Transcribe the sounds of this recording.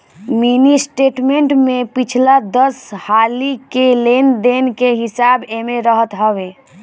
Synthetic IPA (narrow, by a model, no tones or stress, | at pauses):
minisʈeʈmeɳʈmepit͡ʃʰlad̪əshalikelend̪enkeɦisabemeɾəɦət̪ɦəbe